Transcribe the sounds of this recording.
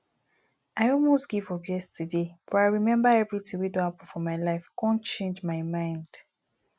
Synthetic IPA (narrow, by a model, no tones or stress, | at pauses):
aɪɔlˠmosɡ̥ivɔbɛstʰɨdefɔaɪɹimɛ̃mbəɛvɹitĩŋwidõnapə̃fɔmaɪlaɪfkʰɔ̃nt͡ʃẽnd͡ʒmaɪmãɪ̃nd̥